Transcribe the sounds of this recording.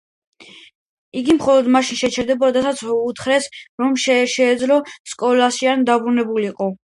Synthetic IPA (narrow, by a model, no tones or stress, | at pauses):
iɡimχɔlɔd̪maʃinʃɛt͡ʃʰɛɾd̪ɛbɔɾad̪asat̪sʰut̪ʰχɾɛsɾɔmʃɛʃɛːd̪zlɔskʼɔlasiand̪abɾunɛbuliːqʼɔ